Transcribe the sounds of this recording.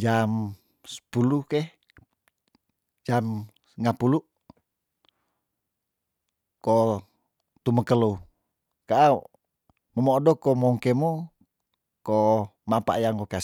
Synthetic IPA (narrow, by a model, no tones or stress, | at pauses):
d͡ʒam | sə̥pulukeh | d͡ʒam | səŋapulu | ko | t̪uməkəlo | kaʔa | məmodokomoŋkemo | komapa̰ʔjaŋkoka